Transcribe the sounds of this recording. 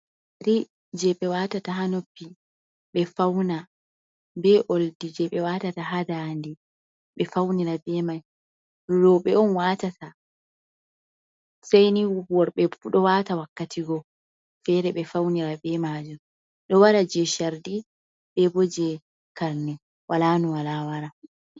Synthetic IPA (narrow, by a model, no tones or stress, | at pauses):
ɾi | d͡ʒɛɓɛwatataɦanopːi | ɓɛfawna | bɛʔoldid͡ʒɛɓɛwaːtataɦadandi | ɓɛfawniɾabɛmaj | ɾɔɓɛɔnwaːtata | sajniwuwɔɾɓɛuɗɔwatawakːatʰiɡɔ | fɛɾɛɓɛfawniɾabɛmaːd͡ʒum | ɗɔwaɾad͡ʒɛʃaɾdi | ɓɛbod͡ʒɛ | kalnɛ | wʔalaːnuwalawaɾa